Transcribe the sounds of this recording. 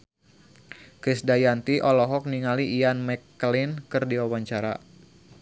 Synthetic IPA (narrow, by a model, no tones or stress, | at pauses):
kɾɪsdajant̪iʔɔlɔɦɔk̚niŋaliːanmɛkːlinkɨrdiwawaɲt͡ʃaɾa̰